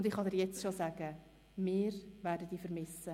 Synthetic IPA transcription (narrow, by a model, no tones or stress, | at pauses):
ʊndɪχɑdɛɾjɛt͡stʃosæɡ̥ə | mɪːɾʋæːɾdəd̥iːfəɾmɪsə